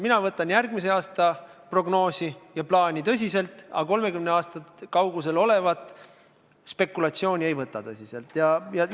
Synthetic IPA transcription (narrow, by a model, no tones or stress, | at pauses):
minɑvɤt̪ːˑɑnjærɡ̥mis̬e̞ɑːst̪ɑ | pro̞ɡ̥no̞ːsijɑplɑːnʲit̪ɤs̬ʲise̞lt̪ˑɑ̰ko̞lme̞kymneɑːst̪ɑkɑwɡus̬e̞lo̞le̞vɑt̪ːˑ | spe̞kːˑulɑt̪sio̞ːnʲie̞jvɤt̪ːˑɑt̪ɤsʲise̞lt̪ːˑjɑjɑ